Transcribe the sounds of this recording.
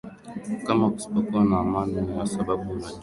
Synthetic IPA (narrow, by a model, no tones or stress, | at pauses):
kamɔksɔkɔnamanunjasababuna